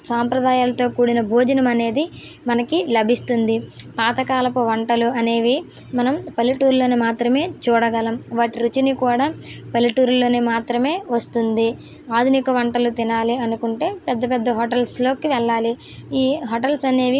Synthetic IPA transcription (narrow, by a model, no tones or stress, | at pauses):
saːmpɾɐd̪aːjaːlɐt̪o̞ːkuːɽinɐbʱuːd͡ʒɐnɐmɐne̞ːd̪i | mɐnɐkilɐbʱist̪und̪i | paːt̪ɐkaːlɐpuʋɐɳʈɐluɐne̞ːʋi | mɐnɐmpɐlːiʈuːɾloːnemaːt̪ɾɐme̞ːt͡ʃuːɽɐɡɐlɐmʋaːʈiɾut͡ʃinikuːɽaː | pɐlːiʈuːɾlo̞ːneːmaːt̪ɾɐme̞ːʋɐst̪und̪i | aːd̪ʱunikɐʋɐɳʈɐlut̪inaːliɐnukuɳʈe̞ːpɛd̪ːɐpɛd̪ːɐɦɔːʈɐlslo̞ːkiʋɛɭːaːli | iːɦoʈɐlsɐne̞ːʋi